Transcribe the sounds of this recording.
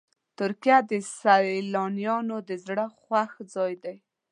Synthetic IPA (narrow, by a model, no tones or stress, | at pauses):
t̪ʊɾkijad̪əsaɾelɑnjɑnod̪əzɽəxwaxd͡zɑjd̪aj